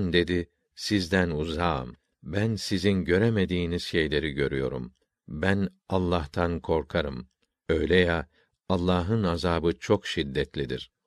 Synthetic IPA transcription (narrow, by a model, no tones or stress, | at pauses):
nd̪e̞d̪i | sizd̪ænuza̰ːm | bænsizinɟø̞ɾemed̪iːniz̥ʃejlʲe̞ɾiɟø̞ɾyjo̞ɾṵm | bæn | alˠːaht̪ʰankʰo̞ɾkʰaɾɯ̰m | ø̞jlʲɛja | alˠːaːɦɯnazaːbɯt͡ʃʰo̞kʃid̪ːɛt̪lʲid̪ḭɾ̥